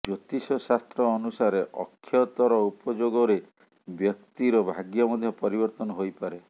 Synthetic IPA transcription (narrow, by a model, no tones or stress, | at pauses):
d͡ʒot̪isɔsast̪ɾɔːnusaɾeʔɔ̰kʰːjɔt̪ɔɾɔupɔd͡ʒoɡɔɾe | bjɔk̚t̪iɾɔbʱaɡjɔmɔd̪ʱjɔpɔɾibɔɾt̪ɔnɔɦojpaɾe